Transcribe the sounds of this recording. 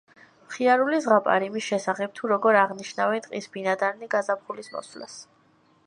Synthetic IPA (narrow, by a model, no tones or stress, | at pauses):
mχiaɾulizʁapʼa̰ɾimisʃɛsaχɛp̚t̪ʰuɾɔɡɔɾaʁniʃnavɛnt̪ʼqʼḭsbinad̪aɾniɡazapχulismɔ̰sla̰s